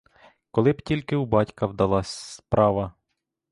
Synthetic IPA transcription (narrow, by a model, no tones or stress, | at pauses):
kɔlˠɪbtʲilʲkɪubɑtʲkɐwd̪ɐlˠɑsʲspɾʔɑʋɐ